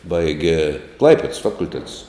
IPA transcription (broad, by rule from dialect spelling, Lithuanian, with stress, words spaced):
ˈbɐɪɡʲɛ ˈklˠɐɪpʲɛts ˈfɑːkʊlʲˌtʲæːtʊs